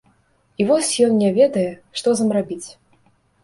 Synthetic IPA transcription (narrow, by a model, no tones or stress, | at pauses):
ivɔsʲjɔnnʲɛvʲɛd̪ɐjɛʂt̪ɔzɐmrabʲit͡sʲ